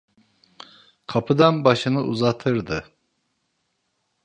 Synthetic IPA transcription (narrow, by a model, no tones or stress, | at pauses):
kʰɑpʰɯd̪ɑnbɑʃɯnɯʔuzɑt̪ʰɯɾd̪ɯ